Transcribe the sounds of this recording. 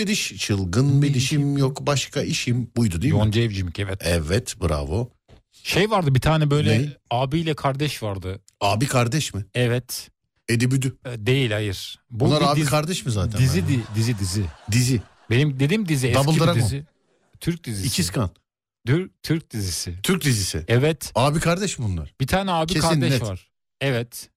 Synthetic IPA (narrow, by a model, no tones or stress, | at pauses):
bid̪iʃt͡ʃʰɯlˠɡɯnbid̪iʃimjokbaʃkʰaiʃimbujd̪ud̪ijond͡ʒɛvd͡ʒimicɛvɛt̪ɛvɛt̪bɯɾa̰vo | ʃejvaɾd̪ɯbit̪ʰaːnɛbø̞jlʲɛaːbiːlʲɛkʰaɾd̪ɛʃvaɾd̪ɯ | aːbikʰaɾd̪ɛʃmɪɛvɛt̪ | ed̪ibyd̪yd̪e̞jilʲhajɯɾ̥bunˠaɾaːikʰaɾd̪ɛʃmizaːt̪ʰɛnd̪izid̪id̪izid̪izɪd̪izi | be̞nimd̪e̞d̪imd̪iziɛabɯlˠid̪aɾad̪ii | t̪ʰyɾc̚d̪iziiscʰiskʰan | d̪yɾt̪ʰyɾc̚d̪izisɪt̪ʰyɾc̚d̪izisɪ̰ɛvɛt̪aːbikʰaɾd̪ɛʃmbunlˠa̰ɾb̥it̪ʰaːnɛaːbiekʰaad̪ɛʃvaɾ̥ | ɛvɛt̪